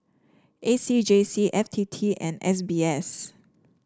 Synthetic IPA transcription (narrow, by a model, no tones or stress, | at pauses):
ʔesid͡ʒesiʔɛftʰitʰiɛ̰̃nɛ̰s̬biɛs